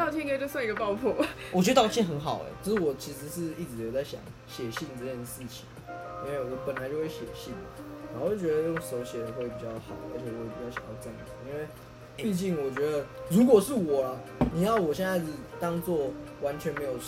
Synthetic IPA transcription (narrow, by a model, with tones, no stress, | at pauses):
ɑ˥˧ʊt͡ɕʰi˥n˥kʰe˥˩˨t͡ɕswa˥˩ŋi˧ɡə˧pɑ˥˧ʊpʰɔ˥˨wt͡ɕt̪ɑ˥˧ʊt͡ɕʰi˥nxə˧˥nxɑ˨˩ʊḛ˨˦t͡ɕʰə˧ʂ̩˥˩wɔ˨˩t͡ɕʰi˧˥ʂɻ̩˧˥ʂɻ̩˥˧i˥˩t͡sɻ̩˨jo˨˩t͡sa˥˩ɪɕjɑ̰˨˦ŋ | ɕjɛ˨˩ɕi˥˧nt͡s̩˥˩t͡ɕjɛ˥˧nd̪ə˨˩ʂɻ̩˥˩t͡ɕʰi̥˨˩˦ni˥nwe˥˩ɪ˨˩wɔ˨˧˦pə˨˩nla˨˧˦t͡ɕjo˥˧ʊxwe˥˩ɕjɛ̰˨˩ɕi˥˩nlə̰˨˩n˨˥˧o˥˩wo˥˩t͡ɕɥɛ˧d̪ə˧jo˥˩ŋs̩˧o˧˥ʊɕjɛ˨˩d̪ə˨˦xwe˥˩ɪpi˨˩t͡ɕjɑ˥˩ʊxɑ˨˩˦ʊə̰˥t͡ɕʰɛ˨˩jo˥˧i˨˩o˥˩ɕjɑ̰˨˩ŋa˥˧˩t͡sə˥˧˩ə˨˩˦i˧˥˦nwe˥˩ɪ | pi˥˧t͡ɕi˥˩ŋwɔ˨˩t͡ɕɥɛ˧˥d̪ə˧˦ɻu˨˦˥kwɔ˨˩ʂɻ̩˥˨wɔ˨˩la˦ | ni˨˩jɑ˥˩ʊwɔ˨˩ɕjɛ˥˧na˥˧ɪt͡s̩˥˩t̪ɑ˥ŋt͡swɔ˥˩wa˧˥nt͡ɕʰɥɛ˧˦nme˧˥ɪjo˨˩ʊ